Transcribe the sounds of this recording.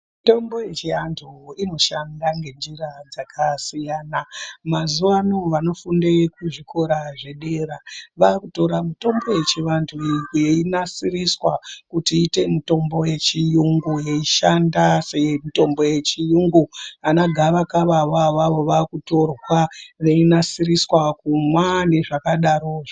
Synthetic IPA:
mito̞mbo̞jet͡ʃiantʰuino̞ʃandaŋɡe̞nd͡ʒiɾad͡zakʰasijaːnamazuʋanoʋano̞funde̞kuʐikʰo̞ɾaʐe̞ɗe̞ɾaʋaːkuto̞ɾamito̞mbo̞je̞t͡ʃiʋantʰujeinasiriswakutiːte̞mito̞mbo̞je̞t͡ʃijuŋɡujeiʃandasemito̞mbo̞je̞t͡ʃijuŋɡuanaɡʱaʋakaʋaʋaʋaʋo̞ʋakuto̞rwaʋeinasiriswakumwane̞ʐakaɗaɾoʐ

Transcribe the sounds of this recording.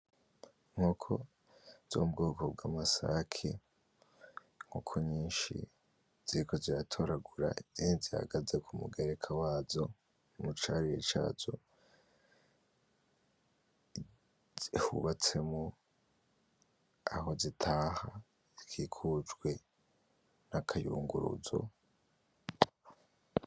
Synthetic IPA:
ŋ̥huːkʰo̞̰ | z̥o̰bɡoːkʰo̞bɡamasa̰kʰe | ŋ̥uːkʰoɲiːnʃḭ | z̥iɾiko̞ziɾatʰo̞ɾaɡuɾa̰iziniziha̰ɡazekʰumṵɡeɾe̞kʰawaːzo̞ | mut͡ʃaɾijḛt͡ʃa̰ːzo̞̰ | ihṵβat͡se̞mo | aho̞zitʰaːha | zikʰikʰud͡ʒɡwe̞ | nakʰajṵːŋɡuɾṵzo̞̰

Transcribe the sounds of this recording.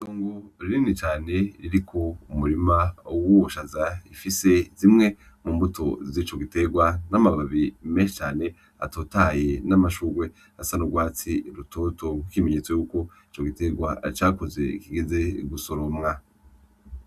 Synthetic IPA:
itoːŋɡoɾiɾinit͡ʃaːne̞ɾiɾikʰo̞umuɾimawuwoʃazaifise̞zimŋe̞ | muːmbutʰo̞zit͡ʃo̞ɡite̞ɡwanamaβaβimeːʃet͡ʃaːne̞ | a̰toːtaje̞namaʃuɡwe̞ | asanuɡwaːt͡siɾutʰoto̞ŋɡwikimeɲeːt͡sojuːko̞ | it͡ʃo̞ɡite̞ɡwat͡ʃaːkoze̞̰ikiɡeze̞ɡuso̞ɾo̞mŋa

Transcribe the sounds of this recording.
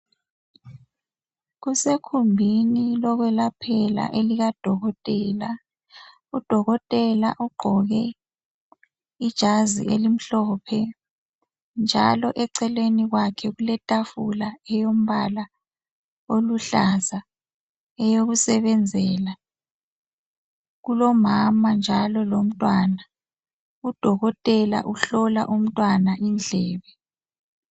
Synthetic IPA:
ɣusekʰumbʱinilɔɣwɛlapʰɛla̰ʔeliɣad̥ʱɔɣɔtʼɛːla | ud̥ʱɔɣɔtʼɛlaʔuɡ͡ǃʱɔɣɛ | id̥ʒ̥ʱazḭʔelim̩ɬɔːpʰɛ | nd͡ʒʱa̰lɔʔɛǀɛlweniɣwakʰɛɣulɛtʼafulaɛjom̩βala | oluɬaza | ɛjoɣusɛβɛnd͡zʱɛla | ɣulɔmamand͡ʒʱalɔlom̩tʼwana | ud̥ʱɔɣɔtʼɛla̰ʔuɬɔla̰ʔum̩tʼwanaʔind͡ɮʱɛːβɛ

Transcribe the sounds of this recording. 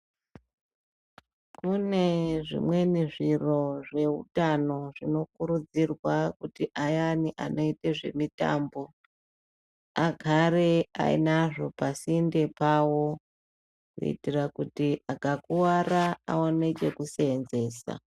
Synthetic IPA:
kune̞ʐḭmwe̞niʐiro̞ʐe̞ṵtano̞ʐino̞kuɾud͡zirwakutiʔajaniʔanʔo̞iteʐe̞̰mita̰ːmbo̞ | aɡʱaɾe̞a̰ḭnaʐo̞pasinde̞pawo̞ | rḛḭtirakutiaɡʱakuwaraa̰one̞t͡ʃe̞kuseːnze̞ːsa̰

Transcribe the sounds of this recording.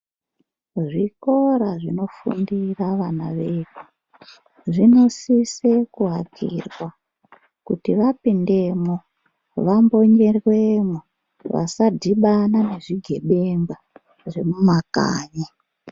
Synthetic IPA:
ʐiko̞ɾaʐino̞fṵndiraʋanaʋeːku | ʐino̞sisekuɦakʰḭrwa | kutiʋapinde̞mo | ʋambo̞ɲe̞rwemo | ʋa̰sadʱiɓanane̞ʐiɡʱe̞ɓe̞mba | ʐe̞mumaka̰ːɲa

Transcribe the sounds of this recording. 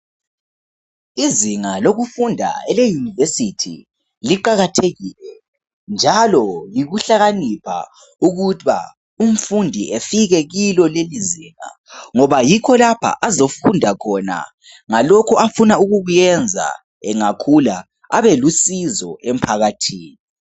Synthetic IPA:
iziŋaloɣufundʱa̰ɛlejunivesitʰḭ | liǃaɣatʰeɣilɛ | nd͡ʒʱalɔliɣuɬaɣanipʰa̰ | uɣutβa̰ | um̩fundʱiefiɣɛɣilɔleliziːŋa̰ | ŋɔβajikʰɔlapʰa̰ʔazofundʱakʰɔna̰ | ŋalɔkʰɔafunauɣuɣujɛnd͡zʱa̰ | ɛŋakʰula | aβɛlusizɔ̰ʔem̩pʰaɣatʰiːni

